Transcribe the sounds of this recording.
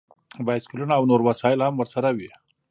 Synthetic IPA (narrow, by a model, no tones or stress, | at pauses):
baj̪skulunaːwnoɾwasɑɪlhamwəɾsaɾawi